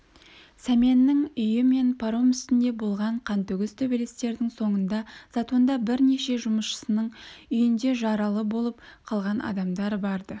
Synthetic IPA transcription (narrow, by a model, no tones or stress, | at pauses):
sæmʲenːɪŋʏjɪme̞npʰaɾomʏst̪ɪnd̪e̞bo̞lˠʁɑɴqʰɑnt̪ʏɡʲɪz̥t̪ʰɵbelest̪e̞ɾd̪ɪŋso̞ɴənd̪ɑz̥ɑt̪o̞nd̪ɑbɪɾne̞ʃe̞ʒʊməsʃə̥sənəɴʏjɪnd̪e̞ʒɑɾɑlˠəbo̞lˠəp̚qʰɑlˠʁɑnɑ̰d̪ɑmd̪ɑɾbɑɾd̪ə